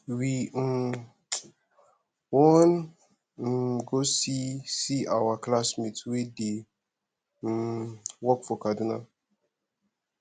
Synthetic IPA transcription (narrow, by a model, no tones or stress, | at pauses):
wi | wɔn̩ | ɡosisiawaklasmitwide | wɔkfɔkaduna